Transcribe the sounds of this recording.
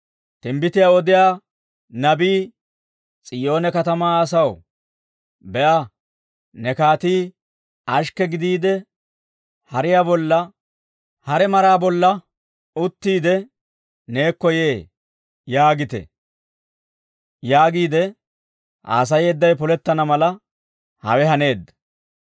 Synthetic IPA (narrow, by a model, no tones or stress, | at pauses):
t̪ɪmbɪt̪ɪjaɔd̪ɪjaː | nɐbiː | t͡sʼɪjo̞ːnɛkɐt̪ɐmaːs̬ɐw | bɛʔɐ | nɛkaːt̪iː | ɐʃkːɛɡɪd̪iːd̪ɛ | hɐɾɪjaːbɔlːɐ | hɐɾɛmɐɾaːbɔlːɐ | ʊt̪ːiːd̪ɛ | ne̞ːkːɔjeː | jaːɡɪt̪ɛ̰ | jaːɡiːd̪ɛ | ʔa̰ːs̬ɐjeːd̪ːɐjpɔlɛt̪ːɐnɐmɐlɐ | hɐ̰wɛɦɐne̞ːd̪ːɐ